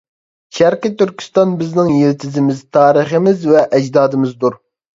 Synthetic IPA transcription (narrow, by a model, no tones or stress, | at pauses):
ʃæɾqɨt̪yɾkʲʰi̥st̪ɑnbɪznɪŋjeɾt̪ʰɪzɪmɪzt̪ʰɑːɾɨχəmɪzvɛʔɛd͡ʒd̪ɑːd̪ɨmɪzd̪uɾ